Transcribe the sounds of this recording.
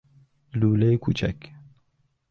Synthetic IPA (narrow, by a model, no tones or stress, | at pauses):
luːlɐjkʰut͡ʃa̰k